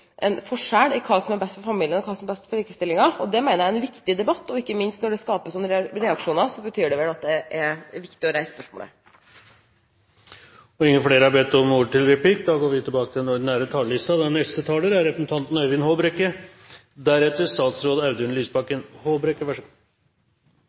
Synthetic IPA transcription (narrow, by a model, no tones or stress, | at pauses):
ʔɛnfɔʂæːɽɪkʰɑːsɔmæɾbɛst̪fɔɾfɑmiːlɪənɔkʰɑːsɔmɛbɛst̪fɔliːkəst̪ɪlːɪŋɑɔd̪ɛmæɪnəɾjæɛnʋɪkt̪ɪd̪ɛbɑt̪ːɔɪkːəmɪnst̪nɔɖɛskɑːpəsɔnːɾɾɛɑkʂuːnɑɾsɔbət̪ʰyːɖɛʋɛlɑt̪̚d̪ɛʔæɾʋɪkt̪ɪɔɾæɪsspœʂmo̰ːlə̰ | ɔɪŋːənfleːɾəhɑɾbɛt̪ːɔmuːʈɪlɾɛpʰliːkd̪ɑːɡoːɾʋɪt̪ʰɪlbɑːkət̪ʰɪlɛnɔnæːɾət̪ʰɑːləlɪst̪ɑd̪ɑnɛst̪ət̪ʰɑːləɾæɾɾɛpɾəsn̩t̪ʰɑnt̪n̩œʋɪnhoːbɾɛkːə | d̪æɾɛt̪ːəst̪ɑːt̪sɾoːd̪ɑʉd̪ənlyːsbɑkːənhoːbɾɛkːəʋæʂə